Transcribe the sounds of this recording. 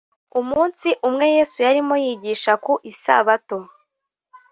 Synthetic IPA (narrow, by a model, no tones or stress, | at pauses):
umuːnsiʔumŋe̞je̞ːsujaɾimo̞jiɟiːʃakuʔisa̰βatom